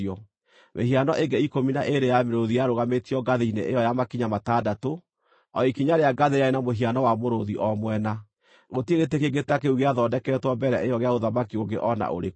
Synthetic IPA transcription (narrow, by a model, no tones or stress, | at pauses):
ɔ | mʔeɦianɔʔeŋɡɛikominaʔeɾejameɾoðijaɾoɣametiɔɡaðeineʔejɔjamakiɲamataːdato | ɔikiɲaɾeaɡaðeɾeaenamoɦianɔwamoɾoðiʔɔmwɛna | ɣotieɣetekeɡetakeuɣeaðɔdɛkɛːtwambɛɾɛ̰ʔejɔɣeaoðamakioɡeʔɔna̰ʔo̰ɾe